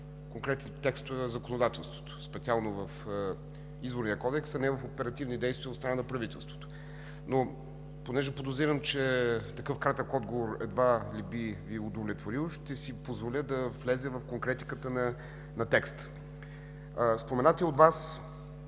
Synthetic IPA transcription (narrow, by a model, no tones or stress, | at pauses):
koŋkɾɛt̪ɛnt̪ɛkst̪zɐkonod̪at̪ɛlˠst̪vo̥t̪o̥spɛt̪sialˠnovəf | izboɾniəkɔd̪ɛksɐnɛvəfopɛɾɐt̪ivnid̪ɛjst̪viəot̪st̪ɾɐnanɐpɾɐvit̪ɛlˠst̪vo̥t̪o̥ | no | ponɛʒɛpod̪ozɾiɾəmt͡ʃɛt̪ɐkɤfkɾat̪əkɔd̪ɡovoɾɛ̰d̪valibiviʊd̪ovlʲɛt̪voɾilˠʃt̪ɛsipozvolʲəd̪ɐvlɛzɛvɐfkoŋkɾɛt̪i̥kət̪ənɐ | nɐt̪ɛkst̪ | spomɛnat̪ɛod̪vas